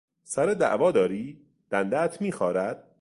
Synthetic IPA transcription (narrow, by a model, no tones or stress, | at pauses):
sæɾed̪æ̰ʔvɒːd̪ɒːɾiː | d̪̥ænd̪ææt̪ʰmiːxɒːɾæd̪̥̚